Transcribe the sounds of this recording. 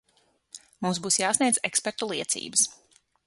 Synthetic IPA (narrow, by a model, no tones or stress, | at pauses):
mumsbuːsjaːsniɛzekspɛɾt̪ulˠiɛt̪sḭːbəs